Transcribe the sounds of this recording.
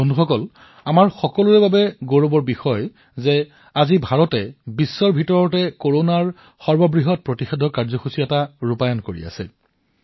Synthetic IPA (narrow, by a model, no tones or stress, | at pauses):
bʱonduxɔkɔl | amaɹxɔkɔlʊɹɛbabɛɡoɹobɔɹbixɔj | zɛ | azibʱaɹɔtɛbisːɔɹbʱitɔɹɔtɛkoɹonaɹ | xɔɹbɔbɹiɦɔt̚pɹotixedʱɔkaɹzɔxusiɛtaɹupajɔnkoɹḭa̰sɛ̰